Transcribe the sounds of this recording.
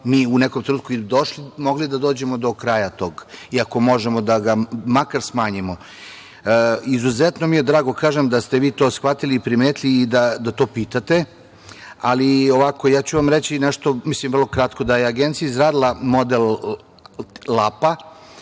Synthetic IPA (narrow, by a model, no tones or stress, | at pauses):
miːunɛkomt̪ɾenuːt̪kuid̪o̞ʃlimo̞ɡlid̪ad̪o̞ːd͡ʑe̞mo̞d̪o̞kɾajat̪o̞ːɡiako̞mo̞ʒemo̞d̪aɡamakaɾsmaːɲimo̞ | izuzɛt̪nomijed̪ɾaːɡo̞kaːʒemd̪ast̪e̞ʋiːt̪o̞ːsxʋat̪iliːpɾimeːt̪liːd̪ad̪at̪o̞ːpiːt̪at̪e | a̰lioʋako̞jaːt͡ɕuʋamɾet͡ɕinɛʃt̪omislimʋr̩lˠo̞kɾat̪ko̞d̪ajeaɡent̪sijaizɾaːd̪ilˠamo̞d̪el | lapa